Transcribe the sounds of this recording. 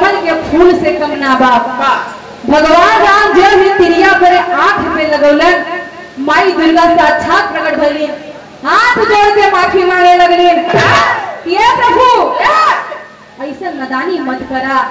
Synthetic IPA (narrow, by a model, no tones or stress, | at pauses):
mɐnkekʰuːlsekɐmnaːbaː | bʱɐɡ̪ʋaːnbaːnd͡ʒeːlnit̪iɾijaːmɐɾeãːpʰipːelɐɡɐwlen | maːid̪uɾɡaːst̪at͡ʃʰaːk̚pɾɐkɐʈbɐlːiː | ɦãːp̪ʰd͡ʒoːɽk̪emaːkʰinaːnelɐɡlin | t̪iepɾɐbʱu | ɐjsɐnɐd̪aːnimɐd̪kɐɾaː